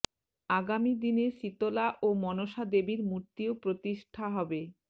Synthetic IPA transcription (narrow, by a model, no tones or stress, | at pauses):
aɡamid̪ineʃit̪olaʔomɔnoʃad̪ebiɾmuɾt̪iopɾot̪iʃʈʰaɦɔbe